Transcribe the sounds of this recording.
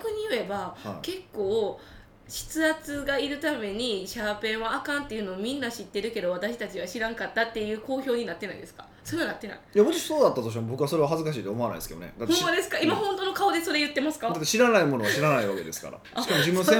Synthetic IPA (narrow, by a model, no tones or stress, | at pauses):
kɯ̟ɲ̟ijɯ̟e̞bake̞kːo̞ː | ɕi̥t͡sɨat͡sɨɡaiɾɯ̟t̪ame̞ɲ̟iɕapẽ̞ɰ̃βaːkãnt̪ːe̞jiɯ̟noːmʲĩnːaɕit̪ːe̞ɾɯ̟ke̞d̪o̞βat̪aɕi̥t̪at͡ɕiβaɕiɾãŋkat̪ːat̪ːe̞jɯ̟ːko̞ːço̞ːɲ̟inat̪ːe̞naid̪e̞sɨ̥kḁ̰ | so̞ɾenat̪ːe̞na̰ijamot̪iɕi̥soːd̪at̪ːat̪o̞ɕ̬imobo̞kɯβaso̞ɾe̞βaɦazɨkaɕ̬iːt̪oomo̞ana̰id̪sked̪onḛd̪at̪ommːad̪e̞sɨ̥kaimahõ̞nt̪o̞no̞kao̞d̪e̞so̞ɾe̞jɯ̟t̪ːe̞masɨ̥kad̪at̪ːeɕiɾanaimo̞no̞βaɕiɾanaiβake̞d̪e̞sɨ̥ka̰ɾa̰ɕi̥kamod͡ʑimɯ̃nosẽ